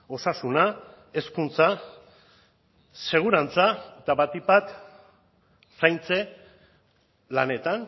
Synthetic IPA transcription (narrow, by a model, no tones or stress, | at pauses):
o̞sasuna | e̞skunt͡sa | se̞ɣ̞uɾant͡saet̪aβat̪ibat̪ | sajnt͡se̞ | lane̞t̪an